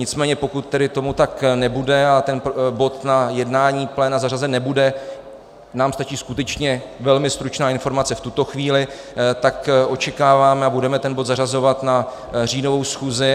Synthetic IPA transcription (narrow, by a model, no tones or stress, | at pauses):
ɲɪt͡smɛːɲɛpo̞kut̪ːɛdɪt̪o̞mut̪aknɛbudɛat̪ɛnbo̞t̪najɛdnaːɲiːplɛːnazarazɛnɛbudɛ | naːmst̪at͡ʃiːskut̪ɛt͡ʃɲɛ | vɛlmɪst̪ɾut͡ʃnaːɪnfo̞ɾmat͡sɛft̪ut̪o̞xviːlɪ | t̪akʔo̞t͡ʃɛkaːvaːmɛabudɛmɛt̪ɛnbo̞t̪zarazo̞vat̪na | r̝iːno̞vo̞wsxuːzɪ